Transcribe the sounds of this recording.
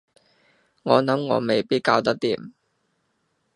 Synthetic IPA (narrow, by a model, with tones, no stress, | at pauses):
ŋɔː˨˧nɐ˨˥mŋɔ̰ː˨˧˥me˨jpiː˥t̚kaː˧wt̪ɐ˥k̚t̪iː˨m